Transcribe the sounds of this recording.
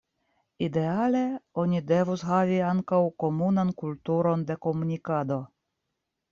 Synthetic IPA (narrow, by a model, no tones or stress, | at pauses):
id̪e̞ale̞o̞nʲide̞vusɦaviaŋkawko̞munankult̪uɾo̞nd̪e̞ko̞munʲikad̪o̞